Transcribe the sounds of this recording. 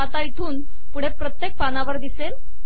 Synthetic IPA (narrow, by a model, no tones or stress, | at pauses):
at̪ait̪ʰuːn | puɽ̤epɾət̪jek̚panaʋəɾd̪isel